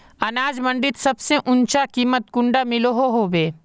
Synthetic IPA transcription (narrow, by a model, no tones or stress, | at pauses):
ɐnaːd͡ʒmɐ̃ɳɖɪt̪sɐbseʔʊ̃nt͡ʃakiːmːət̪̚kʊ̃ɳɖamɪloɦoɦoːʋeː